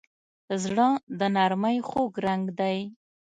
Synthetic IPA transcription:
zɽəd̪ənaɾmajxoɡɾaŋɡd̪aj

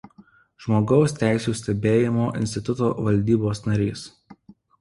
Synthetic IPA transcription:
ʒmoːɡɒʊsʲt̪ʲæˑɪsʲuːsʲt̪ʲɛbʲeːjɪmoːʔɪ̰nʲsʲt̪ʲɪt̪ʊt̪oːʋɐlʲd̪ʲiːboːsnɐɾʲiːs

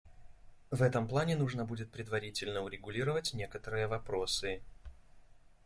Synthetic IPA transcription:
vɛt̪əmplˠanʲɪnuʐnəbudʲɪt̪̚pɾʲɪd̪vɐɾʲitʲɪlʲnəʊɾʲɪɡʊlʲiɾəvətʲnʲe̞kət̪əɾɨjəvɐpɾosɨ

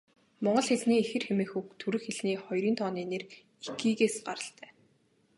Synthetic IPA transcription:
mɔɴɢɞ̆ɮxeɮniːexɘ̆rxemeːxukt̪ʰuɾɘ̆xeɮniːχɔjɾiːnt̪ʰɔːniːner | ikiːɣeːsɢaɾə̆ɬt̪ʰæː

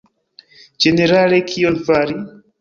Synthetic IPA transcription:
d͡ʒeneɾalekʰionfaɾi

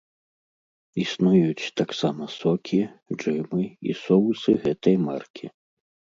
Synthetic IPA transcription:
isnujut͡sʲt̪aksamɐsɔkʲid͡ʐɨmɨḭsɔwsɨɣɛt̪ɐjmarkʲʰi

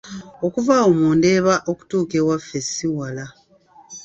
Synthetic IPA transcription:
o̞kuvaomuːnde̞ːβaʔo̞ku̥tuːkewafesiwala

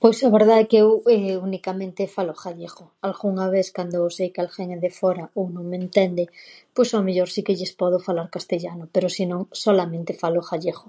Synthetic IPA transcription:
pojsaβeɾðaekeeweunikamẽnt̪efaloxaʎexo | alɣuŋaβ̞eθkand̪osejkalxeŋeðefoɾaownõŋmẽnt̪end̪epwesomeʎoɾsikeʎespoð̞ofalaɾkast̪eʎanopeɾosinõŋsolamẽnt̪efaloxaʎexo̥

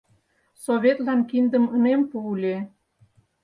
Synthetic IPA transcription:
soβʲet̪lɑnkind̪əmənempuːlʲe

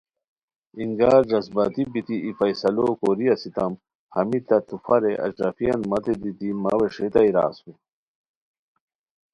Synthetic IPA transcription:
iŋɡaːɾd͡ʑɐsbɐt̪ibit̪iifɐjsɐlokoɾiɐsit̪ɐm | hɐmit̪ɐt̪ufɐɾeʔɐ̰d͡ʑɾɐfijɐnmɐt̪ed̪it̪ima̰weʂet̪ɐiɾa̰ːswe

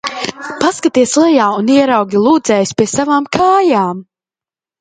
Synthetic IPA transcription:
paskat̪iɛslˠɛjaːuniɛɾawɡʲilˠuːd̪zɛjspʲiɛsavaːmkʰaːjaːm

